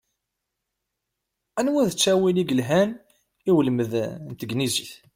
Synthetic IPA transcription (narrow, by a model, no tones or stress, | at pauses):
ænwæðət͡sːæwiliɡəlɦæn | iwələməðnt̪əɡniziθ